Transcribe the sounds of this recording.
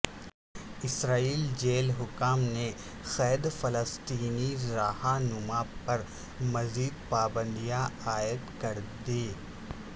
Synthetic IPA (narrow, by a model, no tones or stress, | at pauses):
ɪsɾaːiːld͡ʒeːlɦʊkaːmne | xɛːd̪fɐləst̪iːniɾaːhanʊmaːpɐɾ | mɐziːd̪̚paːbə̃nd̪ijaaːɪəd̪kɐɾd̪eː